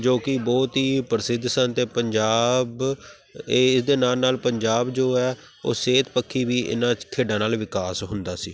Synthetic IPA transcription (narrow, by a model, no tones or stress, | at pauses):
d͡ʒoːkɪbɔːt̪ɦiːpəɾsɪd̪sənt̪eːpəɲd͡ʒaːbː | ɪsd̪eːnaːlnaːlpəɲd͡ʒaːbd͡ʒoːɛː | o̰ːseːt̪pəkʰːiːʋiːʔɪ̰nãːt̪ʰeːɖãːnaːlʋɪkaːsɦʊnd̪aːsiː